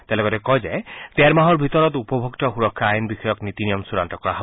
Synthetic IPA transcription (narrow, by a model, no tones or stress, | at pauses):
t̪elɔkɔtɛkɔd͡ʒet̪eɾmaɦɔɾbʱit̪ɔɾɔt̪upɔbʱokt̪ɔxuɾɔkʰːaːjnbixɔjɔknit̪inijɔmsuɾantɔkɔɾaɦɔ